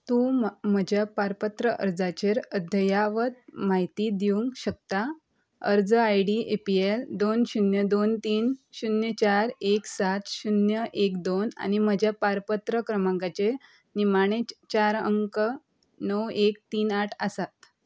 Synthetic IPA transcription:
t̪ũm̤əd͡ʑʱjapaɾpət̪ɾəʔə̰ɾd͡zat͡ɕeɾəd̪ʱəjaʋət̪̚maɦit̪id̪iʋuŋkɕək̚t̪a | ə̰ɾd͡zəajɽiepield̪onɕunjəd̪ont̪iːnɕunjət͡ɕaɾeksat̪ɕunjəʔekd̪ona̰ñim̤əd͡ʑʱjapaɾpət̪ɾəkɾəmãŋkat͡ɕe | nimaɽ̃et͡ɕaɾə̰ŋkə | nəwek̚t̪iːnaʈʰəsat̪̚

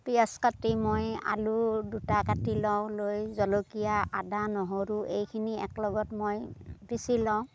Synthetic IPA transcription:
pijaskatimoja̰ludutakatilɔw̃lojzɔlokijaʔadanɔɦoɹuʔejkʰiniɛ̰klɔɡɔtmojpisilɔ̃w̃

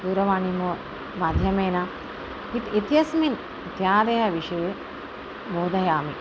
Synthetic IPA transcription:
d̪uːɾɐʋaːɳimoː | maːd̪ʱjɐmeːnɐ | it̪it̪jɐsmin | t̪jaːd̪eːɦɐʋiʃiʋe | mboːd̪ɐjaːmi

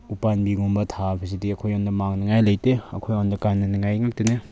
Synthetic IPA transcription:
upanbiɡumbɐtʰapʰisidiɐkʰojɔndɐmaŋnɐŋajlɐjteɐkʰojɔndɐkanːɐniŋajŋak̚tene

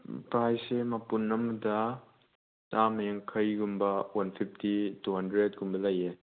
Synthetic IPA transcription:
pɾajsemɐpunːɐmdɐ | tamɐjaŋkʰɐjɡumbɐwɐnpʰip̚ʰtituɦɐndɾed̚ɡumbɐlɐje

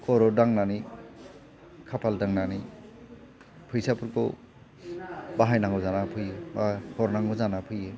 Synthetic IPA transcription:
kʰɔɾɔdaŋnani | kʰapʰaldaŋnani | pʰɯjsapʰuɾko | baɦajnaŋɔzanapʰɯjebakʰɔɾnaŋɡɔzanapʰɯje

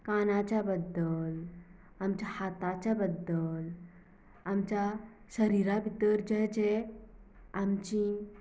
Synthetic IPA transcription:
kaːnat͡ɕabəd̪ːəl | amt͡ɕahaːt̪at͡ɕabəd̪ːəl | amt͡ɕa | səɾiːɾabʱit̪əɾd͡ʒəɦd͡ʒe | amt͡ɕi

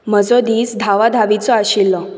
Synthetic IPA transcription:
məd͡zɔd̪iːsd̪ʱaʋad̪ʱaʋit͡sɔaɕilːɔ

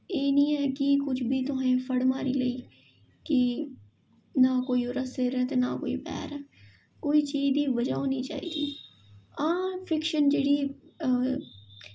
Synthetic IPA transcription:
eːnĩːɛːkɪkʊt͡ʃʰbʱiːt̪ʊɦãːẽːpʰəɽmaːɾiːləiː | kɪ | naːkoːiːoɾasɪɾəːt̪enaːko̰ːḭːpɛ̰ːɾɛː | koːiːt͡ʃiːzd̪iːʋəd͡ʒaːɦoːnĩːt͡ʃa̰ːḭːd̪iː | ãːpʰɪkʃənd͡ʒeːɽiː

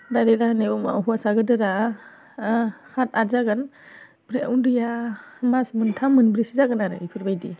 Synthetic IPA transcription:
daɾeɾahneuma̰ɦuasaɡɯdɯɾa | hatazaɡan | bɾeundɯjamasmɯntʰamɯnbɾisizaɡɯnaɾɯ̰ipʰɯɾbajdḭ

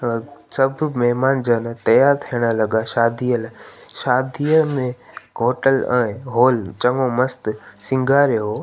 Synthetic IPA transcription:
sɐbʱmɛɦmaːnd͡ʑant̪ɐjaːɾt̪ʰiəɽ̃əlɐɠaʃaːd̪ʱijəlʃaːd̪ʱijəlmẽɡʱoːʈəlɛ̃ːɦoːlt͡ɕɐŋomɐst̪sɪ̃ŋɡʱaːɾeɦoː

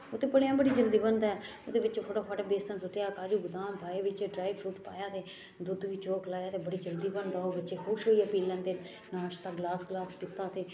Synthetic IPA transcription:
oːt̪eːpəljãːbəɽiːd͡ʒəld̪iːbənd̪aːɛ | oːd̪eːʋɪt͡ʃpʰoːʈoːpʰaːʈabeːsə̃nsʊʈjaːkaːd͡ʒuːɡʊd̪aːmbʱaːeːʋɪt͡ʃɖɾaːibʰʃuːʈpa̰ːjaːt̪eː | d̪ʊd̪ʋiːt͡ʃoːklaːjaːt̪eːbəɽiːd͡ʒəld̪iːbənd̪aːoːbətːʃeːkʰʊʃɦoːiːəpiːlə̃nt̪eː | naːʃt̪aːɡlaːsɡlaːspɪt̪ːaːt̪eː

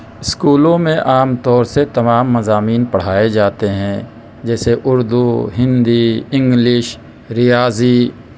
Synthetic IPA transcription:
ɪskuːlõmẽʔaːmt̪ɔːɾset̪ɐmaːmːɐzaːmiːnpɐɽ̤aːed͡ʒaːt̪eɦɛ̃ | d͡ʒɛːseʔʊɾd̪uɦɪ̃nd̪iɪ̃ŋɡlɪʃ | ɾɪjaːziː

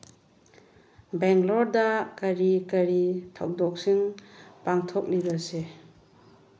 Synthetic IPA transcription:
beŋɡlɔɾdakaɾikaɾitʰa̰wdɔk̚siŋpaŋtʰɔk̚libase

